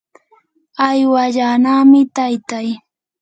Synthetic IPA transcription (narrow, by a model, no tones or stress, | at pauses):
ajwaʎanaːmɪt̪ajt̪aj